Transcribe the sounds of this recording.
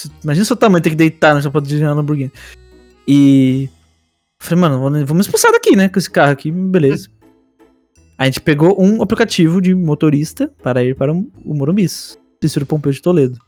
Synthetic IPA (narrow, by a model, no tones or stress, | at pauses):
simaʒinɐsʊt̪am̃j̃t̪ẽkɪd̪ejt̪anɐʃapɐd̪iʒalõbuɾɡĩ | ɪ | falejmɐ̃nʊvõnvɐ̃mʊzɪspusad̪akinɛkõesɪ̥kahʊakibelezɐ | aʒẽnt͡ʃɪ̥peɡoʔũaplikat͡ʃivʊd͡ʒɪmot̪oɾist̪ɐpaɾɐiɾpaɾɐʊʊ̰moɾõbis | pisuɾʊpõpewʊd͡ʒɪt̪oled̪ʊ